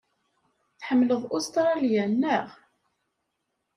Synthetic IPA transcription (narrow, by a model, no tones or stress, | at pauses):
θħəmːləðˤost̪ɾˤɑljænːəʁ